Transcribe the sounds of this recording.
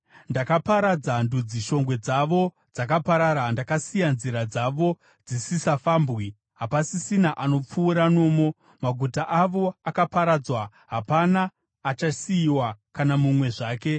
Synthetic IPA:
ndakapaɾad͡zandud͡ziʃo̞ŋɡwe̞d͡zaʋo̞ | d͡zakapaɾaɾandakasijanziɾad͡zaʋo̞ | d͡zisisafaːmbwi | ɦapasisinaʔano̞p͡fuːɾano̞ːmo̞ | maɡʱutaʔaʋo̞akapaɾad͡zwa | ɦapanaː | t͡ʃasiːwakanamumwe̞ʐaːke̞

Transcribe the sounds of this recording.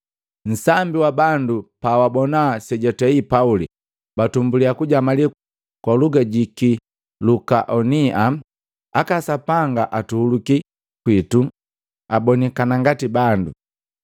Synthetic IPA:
n̩sambiwabandupaːwabɔnasɛɟɔtɛipauli | batumbuliakuɟamali | kwaluɡaɟiki | lukaʔɔnia | akasapaŋɡaʔatuhuluki | kwitu | abɔnikanaŋɡatibandu

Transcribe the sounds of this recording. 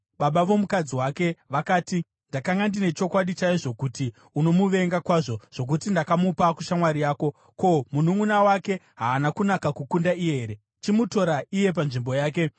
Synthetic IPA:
ɓaɓaʋo̞mukad͡ziwaːke̞ʋakaːti | ndakaŋɡandine̞t͡ʃo̞kwaɗit͡ʃaiʐo̞kuti | uno̞muʋe̞ŋɡakwaːʐo̞ʐ̥o̞k̬utindakamupakuʃamwaɾijaːko̞ | ko̞munuŋunawake̞ɦaːnakunakakukundaijeɦeɾe̞ | t͡ʃimuto̞ɾaije̞p̬anʐimbo̞jaːk̬e̞

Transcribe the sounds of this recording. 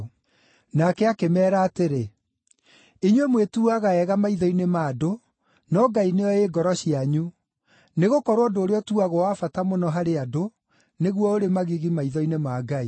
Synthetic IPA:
nakɛakemɛːɾaːteɾe | iɲwemwetuuaɣaɛɣamaiðɔinemaːdo | nɔɡaineɔeɡɔɾɔɕiaɲu | neɣokɔɾoɔndoːɾeɔtuaɣowafatamonɔɦaɾeado | neɣwɔoɾemaɣiɣimaiðɔinemaɡai

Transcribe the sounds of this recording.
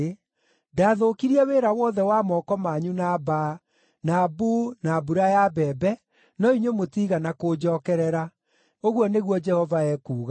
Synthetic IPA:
daːðokiɾiɛweɾawɔðɛwamɔːkɔmaɲunaba | nabunabuɾajabɛbɛ | nɔiɲwemotiɣanakod͡ʒɔːkɛɾɛɾa | oɣwɔneɣwɔd͡ʒɛhɔvaɛkuːɣa

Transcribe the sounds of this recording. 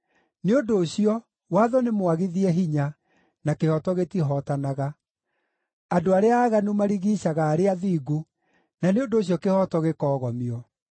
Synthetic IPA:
neodoːɕiɔ | waðɔnemwaɣiðiɛɦiɲa | nakehɔtɔɣetiɦɔtanaɣa | adoaɾeaːɣanumaɾiɣiːɕaɣaːɾeaðiːɡu | naneodoːɕ̬iɔkehɔtɔɣekɔːɣɔmiɔ

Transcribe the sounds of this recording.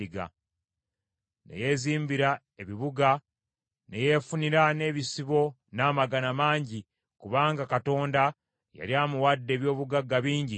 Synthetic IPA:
iɡa̰ | ne̞̰je̞ziːmbiɾa | e̞βiβuɡa | neje̞funiɾane̞ːβisiβo̞ | naːmaɡanamaːɲɟi | kuβaːŋɡakato̞ːnda | ja̰liaːmuwadːe̞ːβjo̞ːβuɡaɡːaβiːɲɟi

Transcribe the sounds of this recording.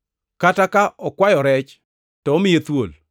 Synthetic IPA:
katakaɔkwajɔɾɛt͡ʃ | tɔːmɪjet̪wo̰l

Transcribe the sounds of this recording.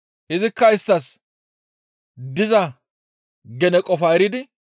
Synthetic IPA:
ʔɪzɪkːɐɪst̪ːɐs | d̪ɪzɐ | ɡɛnɛkʼɔfaɾɪd̪ɪ

